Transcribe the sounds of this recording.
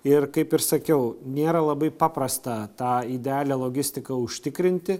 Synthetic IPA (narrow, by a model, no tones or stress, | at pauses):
ɪrkɐɪpɪrsɐkʲɛʊnʲeːɾɐlˠɐbɐɪpɑːpɾɐst̪ɐt̪ɑːɪd̪ʲɛɑːlʲeːlˠoːɡʲɪsʲt̪ʲɪkɐʊʃʲt̪ʲɪkɾʲɪnʲt̪ʲɪ